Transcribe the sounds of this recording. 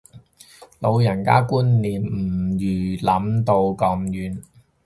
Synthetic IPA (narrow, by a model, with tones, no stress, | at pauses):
lo˨˧wjɐ˨˩nka̰ː˥kuː˥nːiː˨˩m̩˨˩jyː˨˩lɐ˨˥mt̪o˧wkɐ˨˧mjyː˨˥n